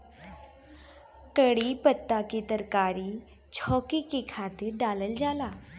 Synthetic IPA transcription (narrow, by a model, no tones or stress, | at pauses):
kəɽipət̪ːaket̪əɾkaːɾi | t͡ʃʰɔːkikekʰaːt̪ɪɾɖaːləld͡ʒaːlaː